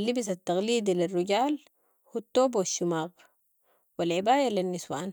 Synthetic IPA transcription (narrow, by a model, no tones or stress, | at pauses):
lːibis̬at̪ːɑɣliːd̪ilirːuɟaːl | hut̪ːoːbwaʃːumaːq | walʕibaːjalinːiswaːn